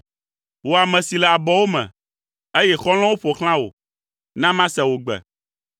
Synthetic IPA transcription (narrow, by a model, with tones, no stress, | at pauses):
wo˨a˨mɛ̃˨si˨lɛ˨a˨bɔ˨wo˦mɛ̰̃˨ | e˦jɛ˦xɔ˦l̃ɔ̃˦wo˦ɸɔ˨xl̃ã˦wo̰˨ | nã˦mã˦sɛ˨wo˨ɡ͡bɛ̰˨